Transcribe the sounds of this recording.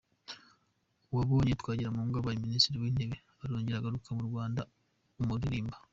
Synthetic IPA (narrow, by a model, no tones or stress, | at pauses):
uwaβo̞ːɲetkwaːɟiɾamuŋɡaβajiministiɾiwine̞βe | aɾoːɲɟeɾaɡaɾukʰamuɾɡwaːnda | umuɾiɾiːmba